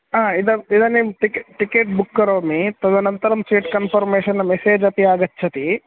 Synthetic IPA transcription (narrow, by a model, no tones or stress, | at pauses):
aːid̪ɐid̪ɐnːeʈikʈikeːʈ̚bukːɐɾoːmit̪ɐd̪ɐnɐnt̪ɐɾɐmsʋiːʈkɐnpʰɐɾmeːʃɐnːɐmeseːd͡ʒɐp̪iaːɡɐtːʰɐt̪i